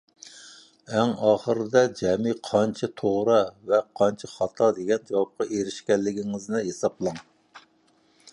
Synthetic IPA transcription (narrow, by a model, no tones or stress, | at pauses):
ɛŋɑːχəɾɨd̪ɛd͡ʒɛmiqʰɑnt͡ʃʰɛt̪ʰoʁɾɑvɛqʰɑnt͡ʃʰɛχɑt̪ʰɑd̪eɡʲɛnd͡ʒɑwɑp̚qɑʔeɾɪʃkʲɛlːɪɡʲiŋɪznɪɦesɑblˠɑŋ